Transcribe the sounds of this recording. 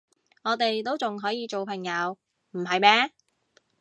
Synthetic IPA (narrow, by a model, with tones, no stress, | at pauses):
ŋɔː˨˧t̪e˨jt̪o˥wt͡sʊ˨ŋɦɔː˨˥jiː˨˧t͡ʃo˨wpʰɐ˨˩ŋjɐ˨˧w | m̩˨˩ɦɐ˨jmɛː˥